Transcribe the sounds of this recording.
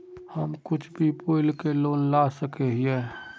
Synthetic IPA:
həmkʊt͡ʃʰbʱipoːɪlkeloːnlaːsəkeɦie

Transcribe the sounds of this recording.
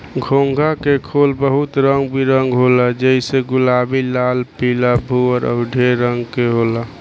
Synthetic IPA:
ɡʱoŋɡʱakekʰolbəɦut̪ɾəŋɡbʱiɾəŋɡɦolad͡ʒəiseɡʊlabilalpilabʱuəɾɔ̰ɖʱeɾəŋɡkeɦola

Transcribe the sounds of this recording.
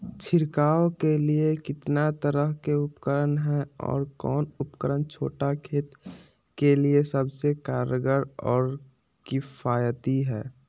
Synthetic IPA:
t͡ʃʰɪɾkaːokeliekɪt̪nat̪əɾəɦkeʊpkəɾənɦɛ̃ɔ̰ːɾkɔːnʊpkəɾənt͡ʃʰo̰ːʈakʰeːt̪ | keliesəbsekaːɾəɡəɾɔːɾ | kɪfaːjət̪iɦɛ̰ː

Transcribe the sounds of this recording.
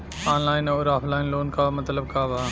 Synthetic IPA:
aːnlaːɪnoːɾaːfʰlaːɪnloːnkaːmɐt̪ləb̚kaːbaː

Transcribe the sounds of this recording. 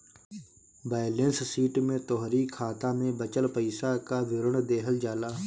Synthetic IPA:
baːjlenssiːʈmẽːt̪oːɦɾiːkʰaːt̪ãːmẽbət͡ʃəlpəɪsakaːʋɪɾəɳd̪eːɦəld͡ʒaːlaː

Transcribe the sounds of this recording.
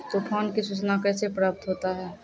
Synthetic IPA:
t̪opʰɔːnkisut͡ʃnakɛːsepɾaːp̚t̪ɦoːt̪aɦɛː

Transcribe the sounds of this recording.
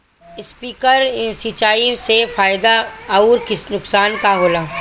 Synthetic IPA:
ɪspiːkəɾsit͡ʃaːisefaːɪd̪aɐuːɾkɪsnʊksaːnkaɦoːlaː

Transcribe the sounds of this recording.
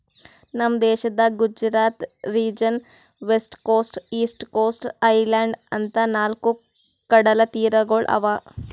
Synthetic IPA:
nɐmd̪ɛːʃɐd̪ɐɡud͡ʒɾaːt̪ɾiːd͡ʒɐn | ʋesʈkoːsʈiːsʈkoːsʈɐjlaːɳɖɐnt̪ɐnaːlku | kɐɽɐlɐt̪iːɾɐɡoɭʔɐ̰ʋaː

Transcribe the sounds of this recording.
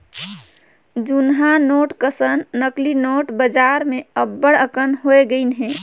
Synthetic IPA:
d͡ʒunɦanoʈkəsənːəklinoʈbəd͡ʒaɾmẽəbːəɽəkənɦoeɡəɪnɦɛ̃

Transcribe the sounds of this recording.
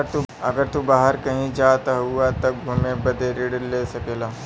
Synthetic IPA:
ɾt̪uɐɡəɾt̪ubaːɦəɾkɐɦĩd͡ʒaːt̪aɦuat̪ɐɡʱumebɐd̪eɾɪɽleːsɐkeːlaː

